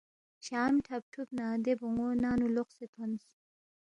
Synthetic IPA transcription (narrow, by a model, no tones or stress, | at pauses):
ɕaːmʈʰɐp̚ʈʰupnaːd̪ebuŋoːnaːnuloχset̪ʰons